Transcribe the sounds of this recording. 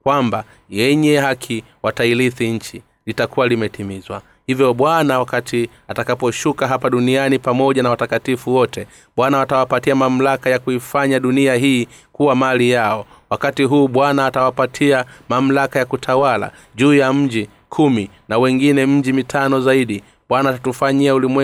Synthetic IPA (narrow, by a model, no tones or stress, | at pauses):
kwamba | jɛɲɛɦakʰi | watailiθiɲ̩t͡ʃi | litakuwalimɛtʰimizwa̰ | hivjɔɓwanawakati | atakapɔʃukaɦapaɗunianipamɔʄanawatakatifuwɔtʰɛ | ɓwanawatawapatiamam̩lakajakuifaɲaɗuniaɦiːkuwamaalijaɔ | wakatiɦuːɓwanaːtawapatʰiamam̩lakajakutʰawala̰ | ʄuːjam̩d͡ʒi | kʰumi | nawɛŋɡinɛm̩d͡ʒimitʰanɔzaiɗi | ɓwanaːtatufaɲiaulimwɛ